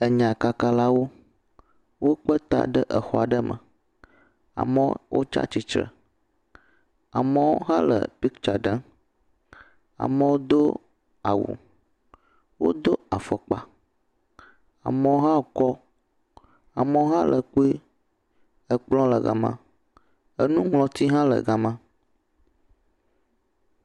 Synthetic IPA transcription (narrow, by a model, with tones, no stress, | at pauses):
ə˨ɲã˨ka˨ka˨la˦wo˦ | wʔo˦k͡pə˦t̪a̰˨ɖə˦ʔə˨xɔ˨a˨ɖə˦mʔə̰̃˨ | a̰˨mə˦wʔo̰˦t͡ʃa̰˦t͡ɕi˨t͡ʃɾə̰˨ | a̰˨mə̃˦wo˦ɦã˦lə̰˨pi˦kt͡ʃa˨ɖə˦n | a̰˨mə̃˦wo˦d̪o˦ | a˨wṵ˨ | wo̰˦d̪o˦a˨fɔ˨k͡pa˦ | a̰˨mə˨wo˦ɦã˦˨kɔ˦ | a˨mə˨˦wo˦ɦã˦lʔə˨ku˦i˦ | ə˨k͡plɔ̃˦lə˨ɡa̰˨mã̰˦ | ə˦nũ˦ŋlɔ̃˨t̪i˦ɦã˦lə̰˨ɡa˨mã˦